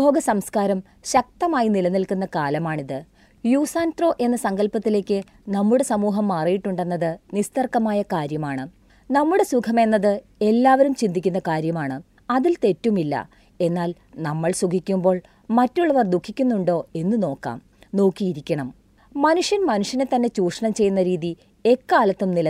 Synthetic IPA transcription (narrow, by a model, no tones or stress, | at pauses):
bʱo̞ːɡɐsɐmskaːɾɐm | ɕɐk̚t̪ɐmaːjinilɐnilkunːɐkaːlɐmaːɳiðɨ | juːsaːntroːʔe̞nːɐsɐŋɡɐlpɐt̪ːile̞ːkʲːɨ | nɐmːuɽe̞sɐmuːɦɐmːaːrijiʈːuɳɖe̞nːɐðɨnist̪ɐrkːɐmaːjɐkaːɾjɐmaːɳɨ | nɐmːuɽe̞sukʰɐme̞nːɐðɨ | e̞lːaːʋɐɾumt͡ɕind̪ikʲːunːɐkaːɾjɐmaːɳɨ | ɐðilt̪e̞tːumilːɐ̰ | e̞nːaːl | nɐmːɐɭsuɡʱikʲːumbo̞ːɭ | mɐtːuɭːɐʋɐrd̪ukʰːikʲːunːuɳɖo̞ːe̞nːɨno̞ːkːa̰ːm | no̞ːkːijiɾikʲːɐɳɐm | mɐnuʂjɐnmɐnuʂjɐnet̪ːɐnːe̞t͡ɕuːʂɐɳɐmt͡ɕe̞junːɐɾiːði | e̞kːaːlɐt̪ːumnilɐ